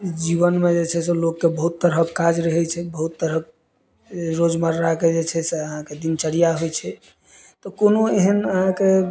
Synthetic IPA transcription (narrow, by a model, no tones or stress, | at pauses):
d͡ʒiβənmed͡ʒet͡ʃʰɛselokːebəɦut̪ːəɾɦəkːad͡ʒɾəɦɛt͡ʃʰɛbəɦut̪ːəɾɦək̚ | ɾod͡ʒməɾːaked͡ʒet͡ʃʰɛseəɦãked̪int͡ʃəɽijaɦojt͡ʃʰɛ | t̪ɔkonoeɦənəɦãke